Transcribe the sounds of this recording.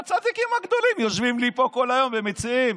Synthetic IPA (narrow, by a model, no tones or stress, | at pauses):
t͡sad̪ikimaɡd̪o̞limjoʃvimlipo̞ko̞lajo̞mbemet͡siim